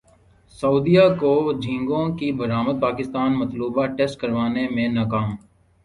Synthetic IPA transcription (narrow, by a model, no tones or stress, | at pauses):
sɐuːd̪ijakod͡ʒʱĩŋɡõkibɐɾaːməd̪̚paːkɪst̪aːnmɐt̪luːbaʈeːsʈ̚kɐɾʋaːnemẽnaːkaːm